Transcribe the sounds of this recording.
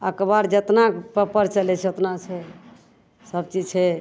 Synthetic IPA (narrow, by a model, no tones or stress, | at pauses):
əkəbaɾd͡ʒət̪napəpəɾt͡ʃəlɛt͡ʃʰɛot̪nat͡ʃʰɛ | səbt͡ʃid͡ʒt͡ʃʰɛ